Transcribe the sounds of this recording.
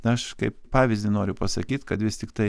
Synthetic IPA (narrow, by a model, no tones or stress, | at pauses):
ɐʃkɐɪppɑːʋʲɪzʲd̪ʲɪnoːɾʲʊpɐsɐkʲiːt̪kɐt̪ʋʲɪst̪ʲɪkt̪ɐɪ